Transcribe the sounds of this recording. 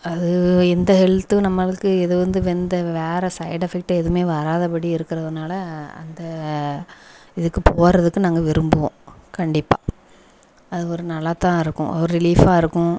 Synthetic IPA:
ɐðɯɛnd̪ɐhɛlt̪ːɯnɐmːɐɭɯkːɯɛðɯʋɐnd̪ɯʋɛnd̪ɐʋeːɾɛsɐɪɽɐfɪk̚ʈɐɛðɯmeːʋɐɾaːðɐpɐɽiɪɾɯkːɪɾɐðɯnaːlɐɐ̰nd̪ɐ | ɪðɯkːɯpoːɾɐðɯkːɯnaːŋɡɐʋɪɾɯmbɯʋõkɐɳɖɪpːa̰ː | ɐðɯɔɾɯnɐlːɐt̪ãːɪɾɯkːʊ̰̃ʔɐ̰ʋɐɾɯɾɪliːfaːɪɾɯkːʊ̃

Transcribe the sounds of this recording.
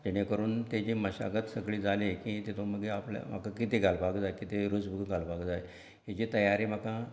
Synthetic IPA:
d͡ʑeɽ̃ekəɾuːnt̪ed͡ʑiːməɕa̰ɡət̪səkɭiːd͡zalekĩt̪et̪oməɡeaplja̰m̤a̰kãkit̪eɡʱalpakd͡zajkit̪eɾud͡zbukɡʱalbakd͡zaj | ɦed͡ʑiːt̪əjaɾim̤akã

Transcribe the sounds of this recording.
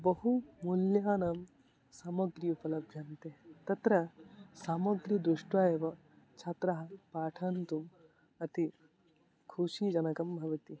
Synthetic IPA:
bɐɦumuljaːnɐm | saːmɐɡɾiupɐlɐbʱɐnt̪et̪ɐt̪ɾɐsaːmɐɡɾid̪ɾuʂʈaːjeʋɐ | t͡ʃʰɐt̪ɾɐɦɐpaːʈʰɐnt̪um | ɐt̪i | kʰuʃid͡ʒɐnɐkɐmbʱɐʋɐt̪i

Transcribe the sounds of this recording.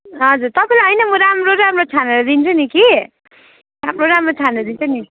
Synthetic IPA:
ɦʌd͡zurt̪ʌpãĩlaɦʌjnʌmʌɾamroɾamrot͡sʰaneɾʌd̪int͡sʰʌniki | ɾamɾoɾamrot͡sʰaneɾʌd̪int͡sʰʌni

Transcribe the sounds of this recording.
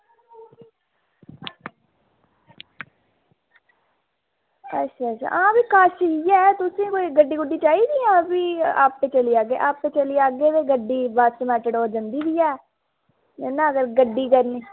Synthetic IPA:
ətːʃʰaːətʃʰa̰ːʔãːbiːkaːʃɦiɛːt̪ʊsẽːkoːiːɡəɖiːɡʊɖːiːt͡ʃaːiːd̪iːãːbiːa̰ːp̚peːt͡ʃəliːaːɡeːʔaːppẽːt͡ʃəliːaːɡeːʋeːɡəɖːiːbaːd̪səmɛːʈəɽoːd͡ʒənd̪iːbiːɛː | nenãːəɡəɾɡəɖːiːkəɾniː

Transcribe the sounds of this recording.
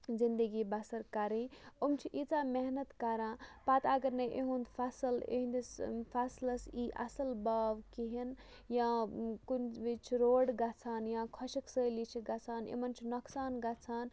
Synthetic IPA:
zind̪əɡibasɐɾkaɾĩomt͡ʃʰiʔit͡saːmeɦnɐt̪kaɾãːpat̪aɡɐɾneʔḛɦũnd̪pʰasəlḛɦnd̪ispʰaslɐsiʔɐ̰sɐlbaːʋkiɦin | jãkunbit͡ʃʰiɾoːɽɡat͡sʰaːnjãkʰəʃiksəlit͡ʃʰiɡɐt͡sʰaːnḛmɐnt͡ʃʰinoksaːnɡat͡sʰaːn

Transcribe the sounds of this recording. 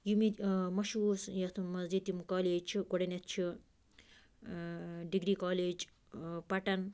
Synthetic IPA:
jumimɐʃuːsjɐt̪ʰumɐzd͡ʒit̪imkaːleːd͡ʒt͡ʃʰiɡoɽɐnɐt̪̚t͡ʃʰi | ɖiɡɾikaːleːd͡ʒ | pɐʈɐn

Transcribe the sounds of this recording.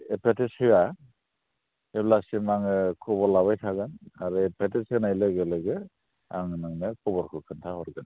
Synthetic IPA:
epʰetishɯja | eblasimaŋɯkʰɔbɔlaβajtʰaɡanaɾɯpʰetisnajleɡɯlɯɡɯ | a̰ŋnaŋnɯkʰɔbɔɾkʰɯkʰɯntʰahɔɾɡɯn

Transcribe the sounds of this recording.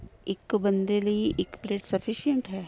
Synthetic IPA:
ɪkbə̃nd̪eləiʔɪkpleːʈsɐfʰiʃijə̃ɳʈɦɛː

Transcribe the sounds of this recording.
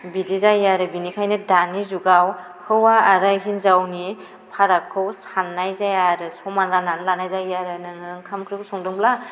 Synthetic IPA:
bidizajaɾɯbinikʰajnɯdanizuɡaw | hɯwaːɾajɦinzawni | pʰaɾakʰːɯwsanːajzajaɾɯsɔmanɾananlanajzajaɾɯnɯŋɯŋkʰamkʰɾɯkʰusɔŋdɯŋbla

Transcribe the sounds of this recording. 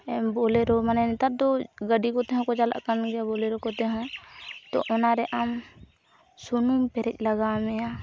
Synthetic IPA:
ɛmbɔlɛɾɔmanɛnt̪at̚d̪ɔɡəɖikɔt̪ɛɦɔ̃kɔd͡ʒala̰ʔkanɡɛabɔlɛɾɔkɔt̪ɛɦɔ̃t̪ɔ̰ʔɔnaɾɛʔam | sunumpɛɾɛc̚ˀlaɡamɛa

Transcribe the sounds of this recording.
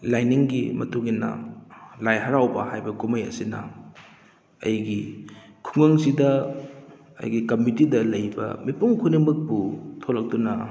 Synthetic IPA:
lajniŋɡimɐtuŋinːɐ̰lajɦɐɾawbɐhajbɐkumɐjɐ̰sinɐ̰ | ɐ̰jɡikʰuŋɐŋsidɐ | ɐ̰jɡikɐmitidɐlɐjbɐ̰mipuŋkʰunimɯk̚putʰolɐk̚tunɐ

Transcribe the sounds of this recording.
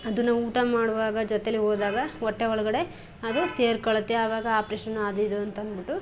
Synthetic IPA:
ɐd̪unːɐuːʈɐmaːɽuʋaːɡɐd͡ʒɔt̪eɐlːiɦoːd̪aːɡɐɔʈːeɔɭɐɡɐɽe | ɐd̪useːɾkɐɭɐt̪ːeaːʋaːɡɐaːpɾeːʃɐnːuɐd̪uid̪uɐnt̪ɐɐnd̪biʈːu

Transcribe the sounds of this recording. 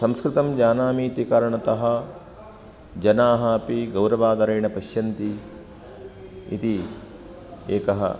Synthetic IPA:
sɐmskɾɪt̪ɐmd͡ʒaːnaːmiːt̪ikaːɾɐɳɐt̪ɐɦɐ̆ | d͡ʒɐnaːɦɐɐpiɡɐwɾɐʋaːd̪ɐɾɐjɳɐpɐʃjɐnt̪i | ḭt̪i | eːkɐɦɐ̰

